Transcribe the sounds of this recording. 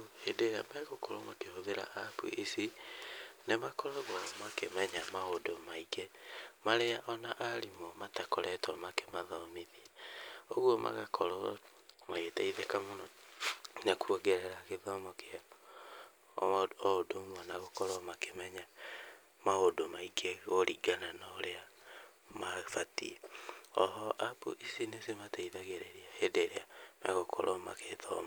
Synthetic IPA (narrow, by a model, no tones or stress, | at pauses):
edeɾa̰mɛɣokʰɔɾɔmakehoðeɾa̰ʔapṵʔisi | nemakɔɾɔɣɔmakemɛɲamaodomaiɡɛmaɾeaʔɔnaʔaɾimɔmatakɔɾʔɛtɔmakemaðɔmiðiaoɣwomʔa̰ɣakʰɔɾɔ | maetaiðɛkamonɔ | nakuoɡeɾeɾaɣeðɔmɔkea | dommwanaɣokɔɾɔmakemɛɲa | maodomaiɡeɣoɾiɡananaoɾea | mafatḭɔɦɔʔabṵʔisinesemataiðaɣeɾeɾiahedeɾeana̰ɣokʰɔ̰ɾʔɔma̰keðɔ̰m